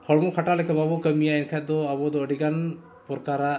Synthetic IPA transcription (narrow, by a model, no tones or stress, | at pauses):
kʰɔɽmɔkʰaʈalɛkababɔkəmijaɛnkʰad̪ɔabɔd̪ɔəɖiɡan | pɔɾkaɾa